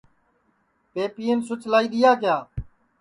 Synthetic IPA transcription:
peːpiːensʊt͡ʃlaːiːɗ̪ɪjaːk̬jaː

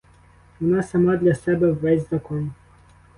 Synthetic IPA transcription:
ɔnasamad̪lʲasɛbɛvːɛsʲdʲzɐkɔn

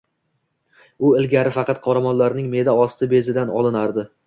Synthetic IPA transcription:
ʊɪlɡʲaɾɪfɑqʰɑt̪̚qʰɒɾamɒnlaɾnɪŋme̞d̪aɒst̪ʰɪbe̞zɪd̪anɒlˠɪnaɾd̪ɪ

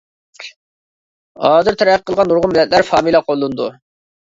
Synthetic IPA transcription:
hɑːzɪɾt̪ʰæɾæəqʰːəlˠʁɑnuɾʁʊmɪlːɛt̪̚læɾfɑːmilɛqʰolˠːɨnd̪u

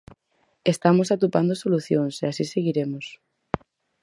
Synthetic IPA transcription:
est̪amosat̪upand̪osoluθjoŋseasiseɣiɾemos

